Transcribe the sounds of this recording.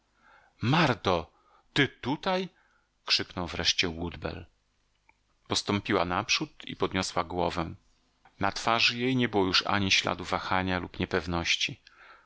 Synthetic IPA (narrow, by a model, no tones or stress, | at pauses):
maɾt̪ɔ | t̪ɘt̪ut̪aj | kʂɘknɔwvɾɛʂt͡ɕɛwud̪bɛ̰l | pɔst̪ɔmpʲiwanapʂut̪ḭpɔd̪ɲɔswaɡwɔvɛ̃ | nat̪faʐjejɲɛbɘwɔjuʂa̰ɲiɕla̰d̪uvaxaɲalupɲɛpɛvnɔɕt͡ɕi